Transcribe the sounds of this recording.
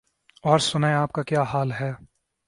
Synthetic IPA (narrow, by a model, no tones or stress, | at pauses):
ɔːɾsʊnaeaːp̚kakjaːɦaːlɦɛː